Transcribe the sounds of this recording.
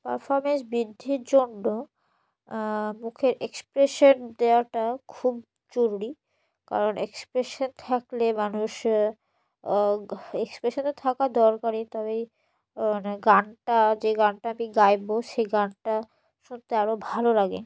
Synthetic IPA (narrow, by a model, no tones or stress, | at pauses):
pa̰ɾfɔɾmensbɾid̪ʱːiɾd͡ʑonːo | mukʰeɾʔekspɾeʃond̪eaʈakʰub̚ | d͡ʑoɾuɾi | ka̰ɾonekspɾeʃont̪ʰaklemanuʃ | ekspɾeʃont̪ot̪ʰakad̪ɔɾkaɾit̪ɔβe | aneɡanʈad͡ʑeɡaɳʈaamiɡajboʃejɡanʈa | ʃunt̪eaɾobʱalolaɡe